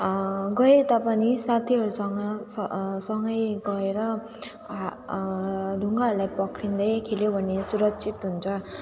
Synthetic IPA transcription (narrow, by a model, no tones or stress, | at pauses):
ɡʌet̪ʌpanisat̪ʰiɦʌɾusʌŋɡʌ | sʌŋɡʌjɡʌeɾʌ | d̪ʱuŋɡaɦʌɾulajpʌkʰrind̪ʌjkʰeljobʱʌnesuɾʌk̚t͡sʰit̪ɦunt͡sʰʌ